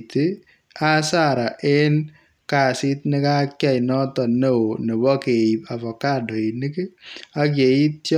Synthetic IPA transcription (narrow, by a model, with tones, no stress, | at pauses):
ti˦ | a˦sa˦ɾa˨ʔe˦n | ka˨sɪ˦t̚ne˦ka˦kja˦jnɔ˦tɔ˨ne˦o˨ne˨bɔ˦ke˨i˨pa˨fɔ˨ka˦do˨i˨ni˦ki˦a˦k̬je˨i˦t̚t